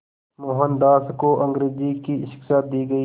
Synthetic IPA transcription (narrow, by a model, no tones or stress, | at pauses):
moːɦənd̪aːskoʔɐ̃ŋɡɾeːzikiʃɪ̥kʃaːt̪̚d̪iːɡɐiː